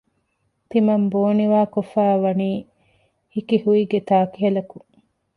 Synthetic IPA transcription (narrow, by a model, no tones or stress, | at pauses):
t̪imɐmboːniʋaːkofæːʋɐniː | hikihuiɡet̪aːkiɦɐlɐku